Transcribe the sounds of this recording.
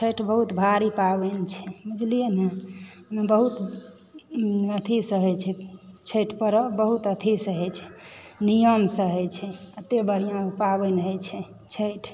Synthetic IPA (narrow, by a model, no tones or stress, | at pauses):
t͡ʃʰeʈʰbəɦut̪bʱaɾipabent͡ʃʰɛməd͡ʒlijənemebəɦut̪ | ət̪ʰisəɦt͡ʃʰɛt͡ʃʰeʈʰpəɾəbəɦut̪ət̪ʰisəɦɛt͡ʃʰɛ̥nijəmsəɦɛt͡ʃʰɛət̪ebəɾijãpabenəɦɛt͡ʃʰɛ | t͡ʃʰeʈʰ